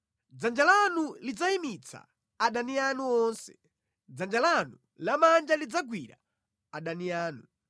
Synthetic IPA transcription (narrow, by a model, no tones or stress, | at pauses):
d͡zand͡ʒalanulid͡zaimit͡sʰa̰ː | ɗanianuɔnsɛ̥ | d͡zand͡ʒalanu | lamand͡ʒalid͡zaɡwiɾa̰ | aɗaniaːnu